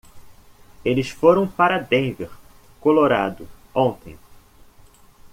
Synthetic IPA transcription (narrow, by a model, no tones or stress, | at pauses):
elɪsfoɾɐ̃w̃paɾɐd̪ẽj̃veχ | koloɾad̪ʊõt̪ẽj̃